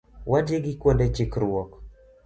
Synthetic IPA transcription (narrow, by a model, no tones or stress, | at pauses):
wad͡ʒeɡɪkwondet͡ʃɪkɾwɔk